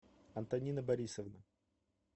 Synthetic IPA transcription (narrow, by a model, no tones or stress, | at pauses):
ɐnt̪ɐnʲinəbɐɾʲisəvnə